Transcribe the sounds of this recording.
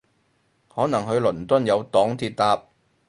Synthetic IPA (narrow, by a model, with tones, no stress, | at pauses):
hɔː˨˥nɐ˨˩ŋɦɵ˨˧ɥlɵ˨˩nt̪ɐ˥njɐ˨˧wt̪ɔː˨˥ŋt̪ʰiː˧t̚t̪aː˧p̚